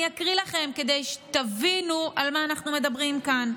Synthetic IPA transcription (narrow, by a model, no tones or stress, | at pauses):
akʁilaχe̞mke̞d̪ejʃe̥t̪avinuʔalmaːnaχnume̞d̪ɐbʁimkan